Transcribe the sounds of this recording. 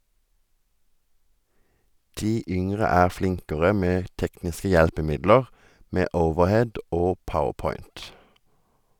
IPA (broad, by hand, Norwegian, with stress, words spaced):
ˈdiː ˈʔʏŋʁə ˈæːʁ ˈflɪŋkəʁə ˈmeː ˈtɛknɪskə ˈjɛlpəˌmɪdləʁ ˈmeː ˈəʊʋəʁˌhɛd ˈʔoː ˈpəʊəʁˌpɔʏnt